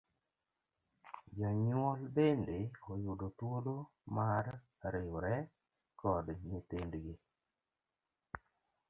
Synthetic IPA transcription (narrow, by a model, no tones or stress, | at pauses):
d͡ʒaɲwolbendeojʊdotwolo | maɾ | ɾɪwɾɛ | kɔdɲɪtendɡɪ